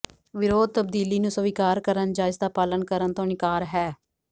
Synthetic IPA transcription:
ʋɪɾoːd̪̚t̪əb̚d̪iːliːnũːsəʋikaːɾkəɾənd͡ʒaːɪzd̪aːpaːlənkəɾənt̪õːnɪkaːɾɦɛː

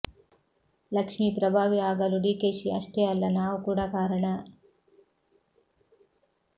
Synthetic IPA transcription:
lɐkʂmiːpɾɐbʱaːʋiaːɡɐluɖiːkeːʃiɐʃʈeːɐlːɐnaːukuːɽakaːɾɐɳɐ

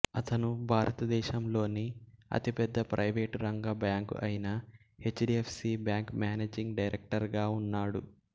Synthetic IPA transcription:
ɐt̪ɐnubʱaːɾʔɐt̪ɐd̪ɛːʃɐmlo̞ːniɐ̰t̪ipɛd̪ːɐpɾʔɐjʋeːʈɾɐŋɡɐbaːŋkɐ̰jinɐ | he̞t͡ʃːɖiepʰsibjaːŋkmjaːneːd͡ʒiŋɡɖɐjɾʔek̚ʈɐɾɡaːunːaːɽu

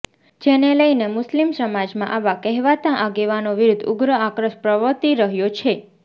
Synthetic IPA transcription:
d͡ʒeneləinemʊslimsəmad͡ʒmã̰ʔaʋakɛɦʋat̪ãʔaɡeʋanoʋiɾʊd̪ʱʊ̰ɡɾəakɾəʃpɾəʋət̪iɾəɦjot͡ʃʰe

